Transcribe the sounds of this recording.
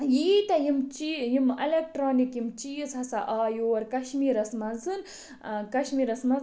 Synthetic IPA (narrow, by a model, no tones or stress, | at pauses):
jiːt̪ɐjimt͡ʃijimɐlek̚ʈɾoːnikjimt͡ʃiːzhɐsɐʔaːjoːɐɾkɐʃmiːɾɐsmɐnzɨn | kɐʃmiːɾɐsmɐ